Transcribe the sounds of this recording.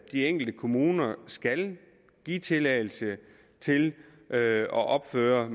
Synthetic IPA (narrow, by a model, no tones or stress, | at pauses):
d̥ieŋ̰ɡ̥l̩d̥əkʰo̝muːnɐsɡ̥æl | ɡ̥ḭːt͡sʰe̝lɛɪl̩sə | t͡sʰe̝l | ʔɒ̽ʔɒ̽b̥føːɐ